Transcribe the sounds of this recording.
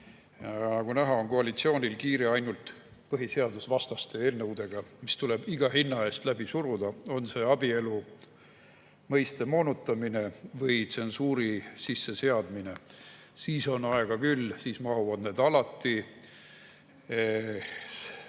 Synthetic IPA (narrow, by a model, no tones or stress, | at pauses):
jɑnɑɡ̥unæɦɑonkoɑlit̪sio̞ːnʲilkiːɾeɑjnult̪ | pɤɦise̞ɑd̪usvɑst̪ɑst̪e̞eːlnɤwd̪e̞ɡ̥ɑmist̪ule̞b̥iɡ̥ɑhinːɑe̞ːst̪læb̥isuɾud̪̥ɑo̞nse̞ɑbie̞lu | mɤjst̪e̞mo̞ːnut̪ːˑɑmine̞vɤjt̪se̞nsuːɾisisːe̞se̞ɑd̪mine̞ | siːso̞nɑe̞ɡ̥ɑkylːsiːsmɑɦuvɑd̪ned̪̥ɑlɑt̪ˑːi